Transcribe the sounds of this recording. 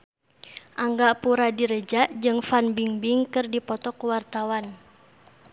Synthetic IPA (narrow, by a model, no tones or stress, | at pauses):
ʔaŋɡapuɾadiɾəd͡ʒaʔd͡ʒɨŋfanbiŋbiŋkɨrdipɔt̪ɔkəwart̪awan